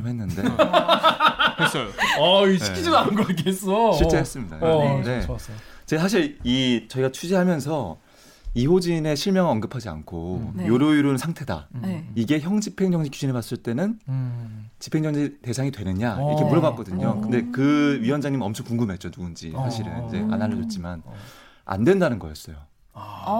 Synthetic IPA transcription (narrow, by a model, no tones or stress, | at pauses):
mɦenːɯnde̞ | aiɕiid͡ʑinannɡok͈ʰees͈ʌɕʰiɭt͡ɕ͈e̞ɦes͈ɯmɲida̰joɯnde̞t͡ɕeasʰaɕʰiɾit͡ɕʌiɡat͡ɕʰud͡ʑiɦamjʌnsʰʌ | iɸod͡ʑine̞ɕʰiɭmjʌŋɯʌnɡɯpʰad͡ʑia̰nkʰojoɾjoiɾonnsʰaŋtʰe̞da̰iɡe̞çjʌŋd͡ʑipʰe̞ŋd͡ʑʌŋd͡ʑikjud͡ʑinepas͈ɯɭt͈e̞nɯn | t͡ɕi̥pʰe̞ŋd͡ʑʌŋd͡ʑite̞sʰaŋitwe̞nɯɲaiɾʌkʰemuɾʌɡak͈̚ʌdɯɲokɯnde̞kɯɥiwʌnd͡ʑaŋɲimɯnʌmt͡ɕʰʌŋkuŋɡume̞t̚t͡ɕ͈onuund͡ʑḭsʰaɕʰiɾɯnind͡ʑe̞̰ʔa̰naɭːʌt͡ɕot͡ɕ͈iman | a̰ndwe̞ndanɯnɡʌjʌs͈ʌjo